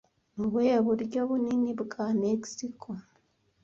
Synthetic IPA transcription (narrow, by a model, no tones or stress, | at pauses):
mβweβuɾɟoβuniniβuɡameksikʰo